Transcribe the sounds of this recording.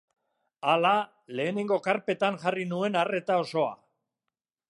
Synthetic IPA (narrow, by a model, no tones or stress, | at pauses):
ala | le̞ːne̞ŋɡo̞kaɾpe̞t̪anʝarinue̞nare̞t̪ao̞so̞a̰